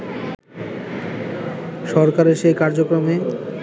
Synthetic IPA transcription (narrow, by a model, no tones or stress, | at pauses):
ʃɔɾkaɾeɾʃejkaɾd͡ʑokɾome